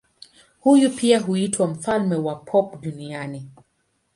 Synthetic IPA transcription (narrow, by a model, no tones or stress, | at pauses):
hujupiaɦuitwam̩falmɛwapʰɔpɗuniani